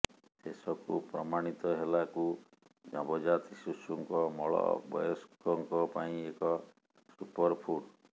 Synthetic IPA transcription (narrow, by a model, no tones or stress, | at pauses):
sesɔkṵpɾɔ̰maɽ̃it̪ɔɦelaku | d͡ʒɔbɔd͡ʒat̪isusuŋkɔmɔɭɔ̰bɔ̰jɔskɔŋkɔpaĩekɔ | supɔɾpʰuʈ